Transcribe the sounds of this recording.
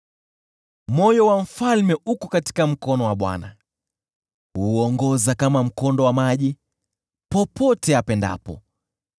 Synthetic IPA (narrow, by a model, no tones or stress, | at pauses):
mɔjɔwaɱ̩falmɛʔukɔkati̥kam̩kɔnɔwaɓwa̰na | huɔŋɡɔzakamam̩kɔndɔwamaʄi | pɔpɔtɛapɛnda̰pɔ̰